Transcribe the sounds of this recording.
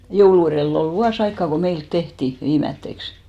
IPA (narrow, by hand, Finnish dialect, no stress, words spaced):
joulu ereˑlː ol ʋuɑs ɑikːɑˑ ko meilt tehti ʋiːmætːeks